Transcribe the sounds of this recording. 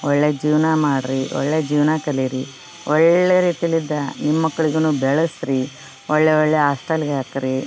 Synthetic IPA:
ɔɭːed͡ʒiːʋnamaːɽɾiʔɔ̰ɭːed͡ʒiːʋnakɐliɾi | ɔɭːeɾiːt̪ijɐlid̪ːɐnimːɐkːɐɭiɡɐnuːbɛɭɐsɾi | ɔɭːeoɭːeaːsʈɐliɡaːkɾi

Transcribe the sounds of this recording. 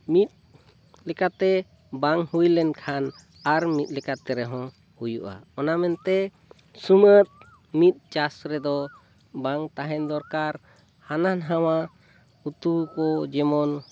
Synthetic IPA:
mit̪̚ | lɛkat̪ɛ | baŋhujlɛnkʰan | aɾmit̪̚ˀlɛkat̪ɛɾɛɦɔ̃ | hujuʔa̰ɔnamɛnt̪ɛ | sumət̪̚ | mit̪̚ˀt͡ʃasɾɛd̪ɔ | baŋt̪aɦɛnd̪ɔɾkaɾ | hananɦawa | ut̪ukɔd͡ʒɛmɔn

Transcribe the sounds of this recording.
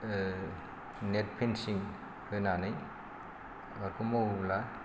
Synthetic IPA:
net̚pʰinsiŋ | kʰɯnanɯj | aɾkʰumoubla

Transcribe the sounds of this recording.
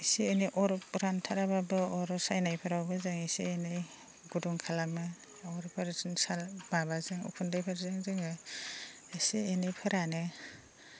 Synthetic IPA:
isieniʔɔɾɔɾantʰaɾababɯɔɾɔsajnajpʰɯɾawbazɯŋisḭenɯj | ɡudɔŋkʰalamɯ | ɔwɾpʰaɾzɯnsalmabazɯŋṵpʰundajpʰaɾzɯŋzɯŋɯ | esienajpʰɯɾanɯ

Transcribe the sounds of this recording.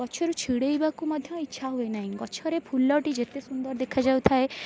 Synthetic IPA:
ɔʃʰɔɾut͡ʃʰiɽeibakumɔd̪ʱjɔ̃itːʃʰaɦuenaɦĩɡɔʃʰɔɾepʰulːɔʈid͡ʒet̪esund̪əɾd̪ekʰad͡ʒaut̪ʰae

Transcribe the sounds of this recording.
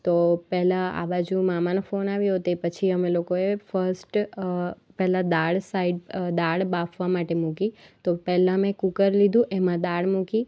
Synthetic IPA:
t̪opɛɦlãa̰bad͡ʒũmamanofonaʋjũɦot̪epət͡ʃʰiəmelokoefəɾsʈ | pɛɦlad̪aɭsaiɖd̪aɭbafʰʋamaʈemũkit̪opɛɦlãmẽkukəɾlid̪ʱũʔemãd̪aɭmũki

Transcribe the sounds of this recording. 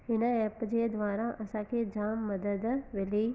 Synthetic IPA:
ɦɪnãɛːpd͡ʒed̪ʋaːɾaʔəsãːkʰeːd͡ʒaːmːɐd̪əd̪ʋɪliː

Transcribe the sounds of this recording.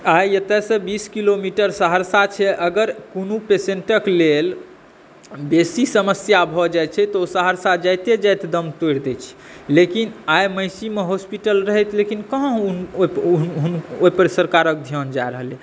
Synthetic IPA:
ajət̪ɛsə̃biskilomiʈəɾsəɦəɾsat͡ʃʰɛʔəɡəɾkonupeseɳʈəklel | besisəməsjabʱɔd͡ʒajt͡ʃʰɛt̪ɔosəɦəɾsad͡ʒajt̪ed͡ʒajt̪d̪əmt̪ojɾd̪ɛt͡ʃʰɛ̥ | lekinajməɪsimeɦospiʈəlɾəɦɛt̪lekinkəɦə̃ɦ | ɦunoipəɾsəɾkaɾək̚d̪ʱjɔnd͡ʒaeɾəɦəle

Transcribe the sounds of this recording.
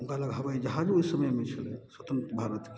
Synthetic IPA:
uŋkaləɡɦəbajd͡ʒəɦãd͡ʒojsəməjmet͡ʃʰəlḛswət̪ənt̪ɾəbʱaɾət̪k

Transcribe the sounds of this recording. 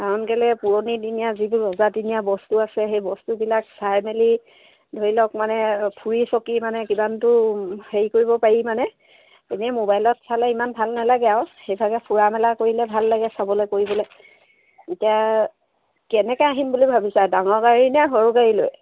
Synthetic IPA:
aɔnkɛlɛpuɹonitinijazituɹɔzatinijabɔstuasɛxejbɔstubilaksajmeli | dʱoɹilɔk̚manɛpʰuɹisɔkimanɛkibantʊheɹikoɹibɔpaɹimanɛ | eniamobajlɔtsalɛimanbʱalnalaɡɛaʊxejbʱaɡɛpʰuɹamɛlakoɹilɛbʱalːaɡɛsabɔlojkoɹibɔloj | itija | kɛnɛkɛaɦinbulibʱabisadaŋɔɹɡaɹinɛɦɔɹuɡaɹilo̰j

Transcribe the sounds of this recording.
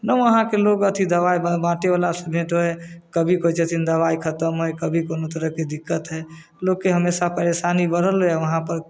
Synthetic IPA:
nəũəɦãkeloɡət̪ʰid̪əʋaibbãʈeʋalasəbʱẽʈoɦɛkəbʱikot͡ʃet̪ʰind̪əʋaikʰət̪əmɦojkəbʱikonot̪əɾəɦked̪ikːət̪ɦɛ | loɡ̚keɦəmesapəɾesanibəɽ̤əloɛʋəɦãpəɾ

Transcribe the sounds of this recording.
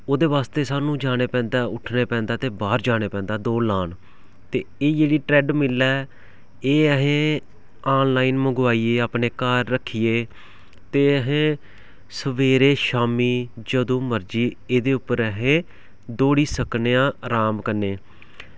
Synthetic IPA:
oːd̪eːʋaːst̪eːsaːnũːd͡ʒaːɽ̃eːpɛ̃ːnd̪aːʊʈʰneːpɛ̃ːnd̪aːt̪eːbaːɾd͡ʒaːɽ̃eːpɛ̃ːnd̪aːd̪oːlaːn | t̪eːeːd͡ʒeːɽiːʈɾɛːɖmɪlːɛː | eːəɦẽː | aːnlaːiːnməɡʋaːiːeːaːpɳeːkaːɾːəkʰːieː | t̪eːəɦẽː | səʋeːɾeːʃaːmiːd͡ʒəd̪õːməɾd͡ʒiː | eːd̪eːʊpːəɾəɦẽː | d̪oːɽiːsəkneːãːɾaːmkənːeː

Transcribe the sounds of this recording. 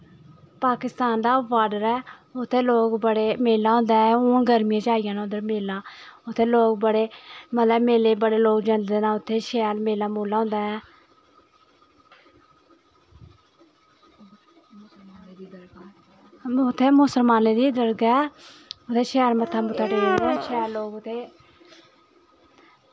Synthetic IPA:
paːkɪst̪aːnd̪aːʋaːɖəɾɛːʊt̪ʰːeːloːkbəɽeːmeːlãːɦõːnd̪aːɛʊ̃ːɡəɾmɪjãːd͡ʒaːɪjãːnaʊd̪əɾmeːlãːʊt̪ʰːeːloːkbəɽeːmət̪ləbmeːleːbəɽeːloːkd͡ʒənd̪eːnãːʊt̪ʰːeːʃɛːlmeːlãːmuːlãːõːnd̪aːɛː | ɡ | ʊt̪ʰːeːmʊsəlmaːneːd̪iːd̪əɾɡɛːʊt̪ʰːeːʃɛːɾmət̪ʰːaːmʊt̪ʰːaːɖeod̪aʃɛːɾloːɡʊt̪ʰːeː

